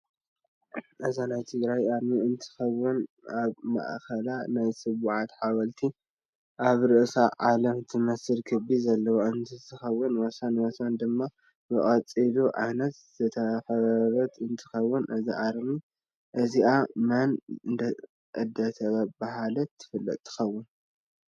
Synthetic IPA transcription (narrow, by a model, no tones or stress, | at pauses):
ʔɨzanajt̪ʰɨɡɾajʔaɾmiɨnt̪ʰɨ̥xɐwːɨnaβma̰ʔkʰɐlanajsɨβuʕat̪ħaβɐlt̪ʰi | ʔaβɾɨʔsaʕalɐmt̪ʰɨmɐsɨlkʰɐbizɐlːɐwoʔɨnt̪ʰɨt̪ɨxɐwːʊnwɐsanwɐsand̪ɨmːa | bɨʔʼɐt͡sʼiluʕajnɐt̪z̥ɐt̪ʰɐxɐβɾɐt̪ɨnt̪ʰɨ̥xɐwːʊnʔɨziʔaɾmi | ʔɨziʔamɐnɨnd̪ɐ | ʔɐd̪ːat̪ʰɐβabaɦalɐt̪ʰːɨ̥fɨlːɐ̰t̪ʼt̪ʰːɨ̥xɐwːʊn